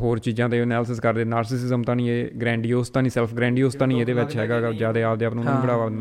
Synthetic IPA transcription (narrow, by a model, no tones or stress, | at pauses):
ɦoːɾt͡ʃiːd͡ʒãːt̪eːənɛːləs̬əskəɾd̪eːnaːɾsɪsɪzəmt̪ãːnĩːeːɡɾɛ̃ːɳɖijoːst̪ãːnĩːsɛːlfʰɡɾɛ̃ːɳɖijoːst̪ãːnĩːeːd̪eːʋɪt͡ʃɦɛːɡaːɡd͡ʒaːd̪eːaːp̚d̪eːəːpnũːñːbəɽaːʋaː